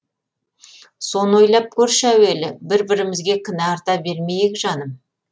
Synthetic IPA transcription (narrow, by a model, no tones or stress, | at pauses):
so̞nəwo̞jlˠɑp̚kʲʰɵɾʃæwe̞lɪbɪɾbɪɾɪmɪzɡʲe̞kʲʰɪnæɑɾt̪ɑbe̞ɾme̞jɪkʲʒɑnəm